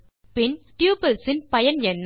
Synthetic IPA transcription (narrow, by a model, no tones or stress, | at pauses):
pɪnʈjuːpɐlsɪnpɐjɐnɛnː